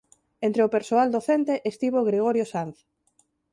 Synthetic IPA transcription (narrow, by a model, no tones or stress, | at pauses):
ent̪ɾeʊpeɾsoald̪oθent̪eʔest̪iβoɣɾeɣoɾjosanθ